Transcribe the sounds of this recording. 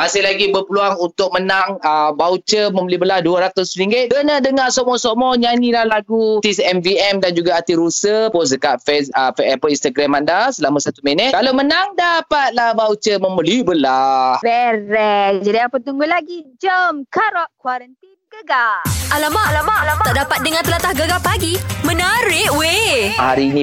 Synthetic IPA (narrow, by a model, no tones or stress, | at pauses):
masɪhlaɡibəpəluaŋunt̪ʊk̚mənaŋəbaut͡ʃəmə̃mbəlibəlahduəɾat̪ʊsɾiŋɡɪt̪̚ɡənədəŋasɔmɔsomɔɲanĩlahlaɡut̪isɛmviɛmdand͡ʒuɡaːt̪iɾusəpos̬dəkaʔfɛsəfɛpəinst̪aɡɾamandasəlamãsat̪umɛnət̪̚kalomənaŋdapat̪̚lahvawt͡ʃəməmbəlibəlahbɛɾɛd͡ʒadiapət̪uŋɡʊlaɡid͡ʒəmkaɾɔʔkwaɾəninɡəɡaʔalamaʔalamaʔlamat̪aʔdapat̪̚dəŋãnt̪əlat̪ahɡəɡapaɡimənaɾɪʔweha̰ɾiːnĩ